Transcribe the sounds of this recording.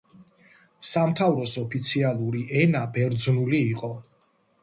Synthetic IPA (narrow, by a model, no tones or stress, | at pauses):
samt̪ʰavɾɔsɔpʰit̪sʰialˠuɾiʔɛnabɛɾd̪znuliːqʼɔ